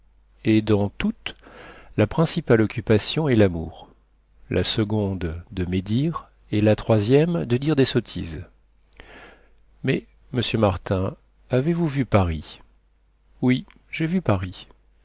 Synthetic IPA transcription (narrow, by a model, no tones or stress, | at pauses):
ed̪ɑ̃t̪ut̪lapχɛ̃sipalɔkʲypasjɔ̃ɛlamṵʁ | lʔasəɡɔ̃d̪d̪əmed̪iʁ | elat̪χwazjɛmd̪əd̪iʁd̪esɔt̪ʰḭz | mɛ | məsjømaʁt̪ɛ̃ | avevuvypaʁi | wi | ʒevypaʁi